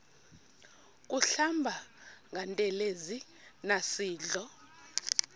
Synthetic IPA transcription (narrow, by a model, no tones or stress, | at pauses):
k̬ʼuɬambʱaŋɡʱantʼɛlezi | nasiːɮɔ